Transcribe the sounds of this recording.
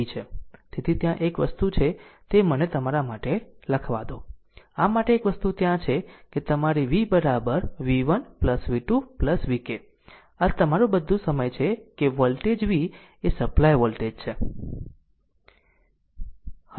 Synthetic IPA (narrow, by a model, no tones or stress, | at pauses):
it͡ʃʰet̪et̪ʰit̪jãʔekʋəst̪ut͡ʃʰet̪emənet̪əmaɾamaʈeləkʰʋa̰d̪õ | amaʈeːkʋəst̪ut̪jãt͡ʃʰeket̪əmaɾiʋibəɾabəɾʋiʋənpləsʋiʈupləsʋike | ət̪əmaɾũbəd̪ʱũsəməjt͡ʃʰekeʋɔlʈed͡ʒʋi | esəplajʋɔlʈed͡ʒt͡ʃʰe